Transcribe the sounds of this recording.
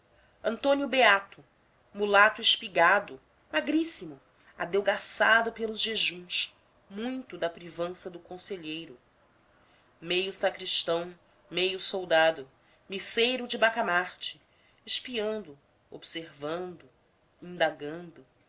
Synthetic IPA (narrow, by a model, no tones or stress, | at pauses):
ɐ̃nt̪õnjʊbeat̪ʊ | mulat̪ʊɪʃpiɡad̪ʊ | maɡɾisimʊ | ad̪ewɡasad̪ʊpelˠʊzʒeʒũs | mũj̃t̪ʊd̪ɐpɾivɐ̃sɐd̪ʊkõseʎejɾʊ | mejʊsakɾiʃt̪ɐ̃w̃ | mejʊsowd̪ad̪ʊ | misejɾʊd͡ʒɪbakamaɾt͡ʃɪ̥ | eʃpiɐ̃nd̪ʊ | o̰bseɾvɐ̃nd̪ʊ | ĩnd̪aɡɐ̃nd̪ʊ